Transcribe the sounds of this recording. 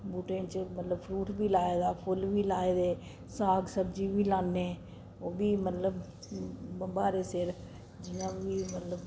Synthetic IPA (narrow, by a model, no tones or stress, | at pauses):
buːʈẽt͡ʃmət̪ləbpʰɾuːʈbiːlaːeːd̪aːpʰʊlʋiːlaːeːd̪eː | saːɡsəɾd͡ʒiːbiːlaːnẽː | oːbiːmət̪ləb | bəmbaːɾeːsɪɾ | d͡ʒɪnãːbiːmət̪ləb